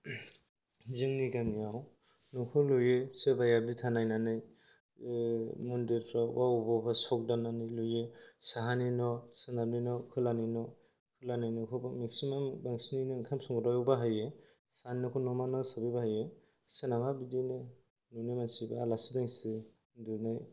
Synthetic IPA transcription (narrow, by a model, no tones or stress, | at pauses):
ziŋniɡamijaw | nukʰɯlujesebajabitʰanajnanɯj | mundeɾpʰɾawaubɔbasɔk̚dananɯjlujesaɦaninɔsɯnablinɔkʰɯlaninɔ | kʰɯlanajnɔkʰɯbamiksimambaŋsininɯŋkʰamsɔŋɡɯɾajɔbaɦaje | saninɔkʰɔnɔmanasabibahaje | senamabidinɯ | nunimansibaalasidaŋsi | dunaj